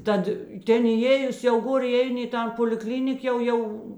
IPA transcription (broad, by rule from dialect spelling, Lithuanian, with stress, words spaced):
ˈtɐt ˈtʲeːn iːˈeːjʊs jɛʊ ˈɡoːr ɪˈɛɪnʲɪ ɪ ˈtɐn poːlʲɪˈklʲɪnʲɪk ˈjɛʊ ˈjɛʊ